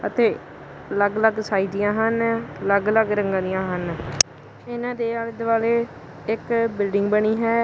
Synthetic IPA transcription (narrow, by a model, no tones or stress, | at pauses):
ət̪eː | ələɡləɡsaːiːd̪ɪjãːɦənləɡləɡɾəŋɡãːd̪ɪjãːɦən | ɪnãːd̪eːaːld̪ʋaːleː | ɪkbɪlɖɪŋɡbəɽ̃iːɦɛː